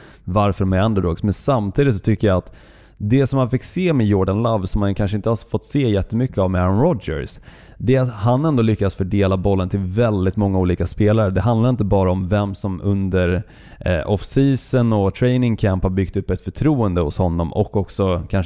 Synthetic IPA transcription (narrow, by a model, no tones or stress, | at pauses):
vaɾfəɾmɛɾand̪əɾoːɡsmɛnsamt̪ʰiːd̪ɪt̪sɔ̥t̪ʰʏkːəjaat̪ | d̪ɛsɔmhanfɪkːseːmɛjoːɖanlavsɔmhankʰanʂ̬əɪnt̪əhafɔt̪ːseːjɛt̪ːəmʏkːəavmɛɾanɾɔd͡ʒə̰ɾs | d̪ɛat̪hanɛnd̪oːlʏkːad̪sfœɖeːlabɔlːənt̪ʰɪlvɛld̪ɪt̪mɔŋːauːliːkaspeːlaɾəd̪ɛɦand̪laɾɪnt̪̬əbɑːɾaɔmvɛmsɔmɵnd̪əɾ | ɔfsiːsənɔt̪ʰɾɛɪnɪŋkʰæmphaɾbʏɡ̥t̪ɵpːɛt̪fœʈʰɾuːənd̪əhʊ̰shɔnːɔmɔ̰kːɔksɔkʰan